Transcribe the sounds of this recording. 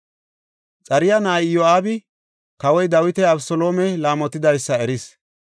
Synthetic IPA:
t͡sʼɐɾɪjɐnaːjjoaːbɪ | kɐwɔjd̪ɐwɪt̪ɛɐbsɔlo̞ːmɛlaːmɔt̪ːɪd̪ɐjsːɐɛɾɪs

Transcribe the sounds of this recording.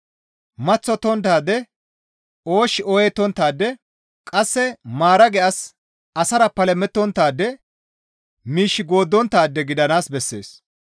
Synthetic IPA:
mɐt͡sːɔt̪ɔnt̪̬aːd̪ɛ | o̞ːʃɪɔjɛt̪ːɔnt̪ːaːd̪ːɛ | kʼɐsːɛmaːɾɐɡɛʔɐs | ɐsɐɾɐpɐlɛmɛt̪ːɔnt̪ːaːd̪ːɛ | miːʃːɪɡo̞ːd̪ːɔnt̪ːaːd̪ːɛɡɪd̪ɐnaːsbɛsːḛːs

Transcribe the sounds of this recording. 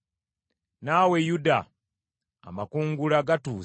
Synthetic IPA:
naːwe̞juda̰ː | makuːŋɡulaɡatuː

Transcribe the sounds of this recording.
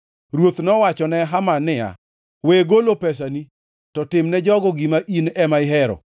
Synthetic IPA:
ɾwot̪nɔwat͡ʃɔnɛɦamanɪa̰ | weɡolopɛs̬ani | tɔtɪmnɛd͡ʒɔɡɔɡimaʔinɛmaɪɦɛɾɔ̰

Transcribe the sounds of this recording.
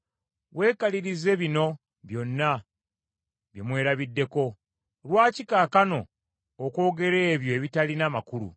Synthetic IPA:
we̞ːkaliɾize̞βino̞ | βjo̞nːa | βjemwe̞ːɾaβidːe̞ko̞ | lwaːcikaːkano̞̰ː | ko̞ːɡe̞ɾe̞ːβjo̞eβitalinamakulṵ

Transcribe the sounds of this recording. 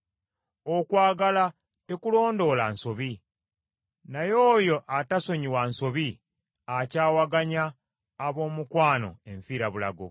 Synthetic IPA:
okwaːɡala | te̞kulo̞ːndo̞lanso̞βi | najo̞ːjo̞ʔataso̞ɲiwanso̞βi | acaːwaɡaɲaː | βo̞ːmukwaːno̞̰e̞ɱfiːɾaβula̰ɡo̰

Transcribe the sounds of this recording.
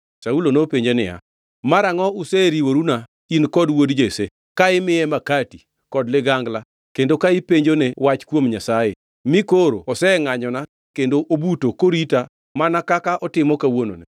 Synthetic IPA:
saulonopeɲd͡ʒenɪja̰ | maɾaŋɔʊsɛɾiwoɾuna | inkɔdwodd͡ʒese | kaɪmɪjɛmakati | kɔdlɪɡaŋɡla | kendokaɪpeɲd͡ʒonewat͡ʃkwomɲasaje | mɪkoɾo̰ɔsɛŋaɲɔna | kendoʔobutokoɾita | manakakaʔɔtɪmɔkawono̰ne

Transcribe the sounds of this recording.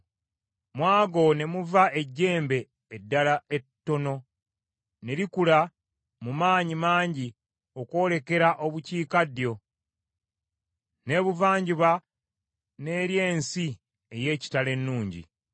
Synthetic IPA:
mwaːɡo̞ne̞muvaʔeɟːe̞ːmbe̞ː | dːalae̞tːo̞no̞ | ne̞ɾikula | mumaːɲimaːɲɟi | o̞kwo̞ːle̞ke̞ɾaʔo̞βuciːkadjo̞ | ne̞ːβuvaːɲɟiβa | ne̞ːɾje̞ːnsi | e̞je̞ːci̥tale̞nːuːɲɟḭ

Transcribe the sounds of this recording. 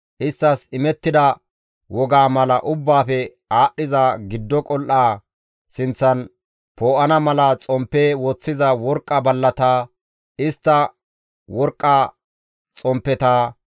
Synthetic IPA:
ʔɪst̪ːɐsɪmɛt̪ːɪd̪ɐ | wɔɡaːmɐlɐʔʊbːaːfɛ | aːɗːɪzɐɡɪd̪ːɔkʼɔlʔaː | sɪnt͡sːɐn | poːʔɐnɐmɐlɐt͡sʼɔmpːeːwɔt͡sːɪzɐwɔɾkʼːɐbɐlːɐt̪aː | ɪst̪ːɐ | wɔɾkʼːɐ | t͡sʼɔmpːɛt̪aː

